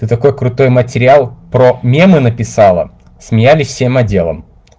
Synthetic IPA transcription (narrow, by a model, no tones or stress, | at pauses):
t̪ɨt̪ɐko̞jkɾʊt̪o̞jmətʲɪɾʲɪalˠpɾomʲemɨnəpʲɪsɑlˠə̰ | smʲɪjælʲɪsʲfsʲemɐdʲe̞lˠə̰m